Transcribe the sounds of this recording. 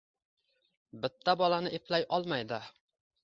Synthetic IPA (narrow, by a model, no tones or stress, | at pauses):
bɪt̪ʰːabɒlanɪʔeplajʔɒlˠmajd̪ɪ